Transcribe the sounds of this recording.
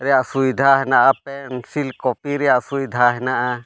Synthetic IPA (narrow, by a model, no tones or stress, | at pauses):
ɾɛjaʔsujd̪ʱaɦɛnaʔapɛnsilkɔpiɾɛjaʔsujd̪ʱaɦɛnaʔa